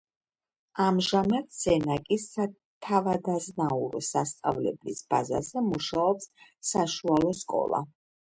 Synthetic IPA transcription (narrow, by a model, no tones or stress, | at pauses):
amʒamat̪ʰz̥ɛnakʼisa | t̪ʰavad̪aznauɾɔ̰sast̪sʼa̰vlɛ̰blisba̰za̰zɛmuʃaɔpssaʃualˠɔskʼɔ̰lˠa̰